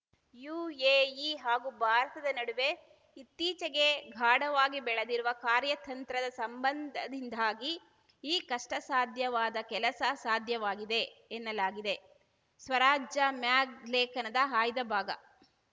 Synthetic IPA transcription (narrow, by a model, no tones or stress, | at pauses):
jueːiɦaːɡubʱaːɾɐt̪ɐd̪ɐnɐɽuʋe̞ | it̪ːiːt͡ʃɐɡe̞ɡʱaːɽɐʋaːɡibɛɭɐd̪iɾuʋɐkaːɾjɐt̪ʰɐnt̪ɾɐd̪ɐsɐmbɐnd̪ʱɐd̪ind̪ʱaːɡi | iːkɐʂʈɐsaːd̪ʱjɐʋaːd̪ɐkɛlɐsɐsaːd̪ʱjɐʋaːɡid̪e̞ːnːɐlaːɡid̪e̞ | sʋɐɾaːd͡ʒjɐmjaːɡlɛːkɐnɐd̪ɐɦaːjd̪ɐbʱaːɡɐ̰